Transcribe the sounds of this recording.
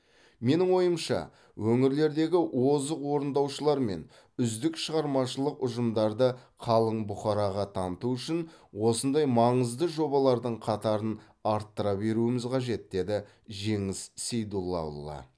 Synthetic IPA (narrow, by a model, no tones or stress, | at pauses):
me̞nɪŋwo̞jəmʃɑ̰ | wʔɵŋɪɾle̞ɾd̪e̞ɡʲɪwo̞zəqwo̞ɾənd̪ɑwʃəlˠɑɾme̞̰n | ʏzd̪ɪkʃəʁɑɾmɑʃəlˠəqʊʒəmd̪ɑɾd̪əqʰɑlˠəɴbʊχɑɾɑʁɑt̪ʰɑnət̪uʏʃɪnwo̞sənd̪ɑjmɑɴəzd̪əʒo̞bɑlˠɑɾd̪əɴqʰɑt̪ɑɾən | ɑɾt̪ːəɾɑbe̞ɾuɪmɪzqʰɑʒe̞t̪̚d̪e̞d̪ɪ | ʒe̞ŋɪssejd̪ulˠːɑ̰ṵlˠːɑ̰